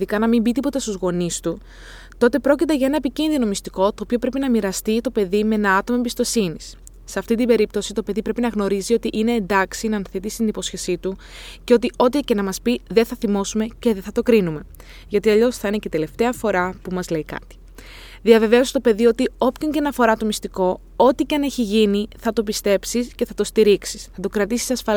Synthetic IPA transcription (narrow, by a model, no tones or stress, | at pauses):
ðikɐnɐmimbit̪ipo̞t̪ɐst̪uzɣo̞nist̪u | t̪o̞t̪e̞pɾo̞cit̪e̞ʝɐe̞nɐepicinðino̞mist̪iko̞t̪o̞ːpio̞pɾe̞pinɐmiɾɐst̪it̪o̞pe̞ðimee̞nɐɐt̪o̞mɐebist̪o̞sinisː | eɐft̪int̪imbe̞ɾip̚t̪o̞sit̪o̞pe̞ðipɾe̞pinɐɣno̞ɾizio̞t̪iʔine̞ːnd̪ɐksinɐnθet̪isi̥t̪inipo̞sçe̞sit̪u | ce̞o̞t̪̬io̞t̪ice̞nɐmɐspiðeθɐθimo̞sume̞ce̞ðeθɐt̪o̞kɾinume̞ | ʝɐot̪iɐʎo̞sθɐine̞cet̪e̞le̞ft̪e̞ɐfo̞ɾɐpumɐzle̞ikɐ̰t̪i̥ | ðiɐve̞ve̞ost̪o̞pe̞ðio̞t̪io̞pcoɲcenɐfo̞ɾɐt̪o̞mist̪iko̞ | o̞t̪icɐne̞çiʝiniθɐt̪o̞pist̪e̞psisce̞θɐt̪o̞st̪iɾiksi̥sθɐt̪o̞kɾɐt̪isi̥sɐsfɐl